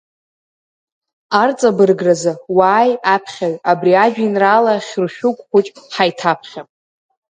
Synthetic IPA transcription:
art͡sʼabɨrɡrazɨwaːjapʰχʲaɥabriad͡ʒᶣinralaχʲrʃᶣʊkʷʼχʷʊt͡ʃʼħajtʰapʰχʲapʼ

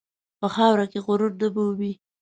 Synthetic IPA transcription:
pəxɑwɾakeɣʊɾʊɾd̪əbowi

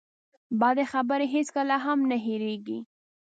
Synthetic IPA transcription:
bɑd̪exabəɾeɦeskəlaɦamnaɦeɾeɡi

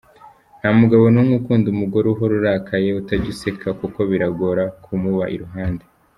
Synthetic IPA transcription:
nhamuɡaβo̞nuŋukuːndumuɡoɾuɦo̞ɾuɾaːkʰaje̞utaɟuse̞kʰakuko̞βiɾaɡoɾakʰumuβaʔḭɾuɦaːnde

